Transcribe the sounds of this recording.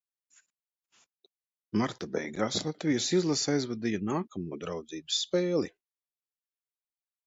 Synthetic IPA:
maɾt̪abɛ̰jɡaːslˠat̪vijasizlˠasajzvad̪ijanaːkʰamuːd̪ɾawd̪ziːbɨsːpeːlˠi

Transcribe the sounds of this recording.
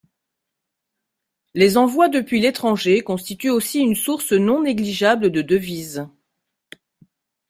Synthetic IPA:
lezɑ̃vwad̪əpɥilet̪χɑ̃ʒekɔ̃st̪it̪yosiynsuʁsənɔ̃neɡliʒabləd̪əd̪əviz

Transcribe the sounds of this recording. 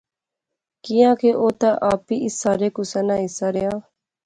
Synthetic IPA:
kijãːkʰeːʔoːt̪aːʔaːpiːʔɪsːaːɾeːkʊsaːnãːɦɪsaːɾɪjaː

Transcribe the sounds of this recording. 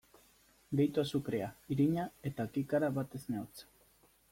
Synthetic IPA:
d̪ejt̪uasukɾe̞aiɾiɲae̞t̪akikaɾaβat̪e̞zneot͡s

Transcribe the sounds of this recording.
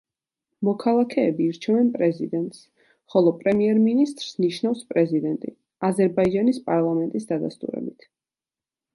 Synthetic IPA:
mɔkʰalˠakʰɛːbiːɾt͡ʃʰɛvɛnpʼɾɛzid̪ɛnt̪ʼs | χɔlˠɔpʼɾɛmiɛɾminist̪ʼɾsniʃnavspʼɾɛzid̪ɛnt̪ʼi | azɛɾbaid͡ʒanispʼaɾlˠamɛnt̪ʼisd̪ad̪a̰st̪ʼṵɾɛ̰bit̪ʰ

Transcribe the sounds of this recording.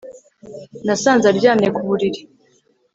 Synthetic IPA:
nasaːnzaɾɟaːnekuβuɾiɾi̥

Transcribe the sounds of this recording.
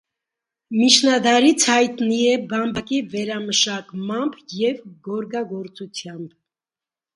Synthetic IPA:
mit͡ʃʰnɑd̪ɑɾit͡sʰhɑjt̪niɛbɑmbɑkivɛɾɑməʃɑkmɑmbjɛvɡɔɾɡɑɡɔɾt͡sut͡sʰjɑmb

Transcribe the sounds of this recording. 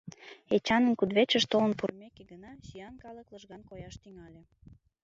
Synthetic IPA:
et͡ɕɑnənkud̪βet͡ɕəʃt̪olə̆npurmekeɡənɑʃijɑnkɑləkləʒɣɑnkojɑʃt̪yŋɑlʲe

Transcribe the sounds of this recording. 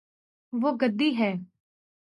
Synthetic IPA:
ʋoːɡəd̪ːiːɦɛː

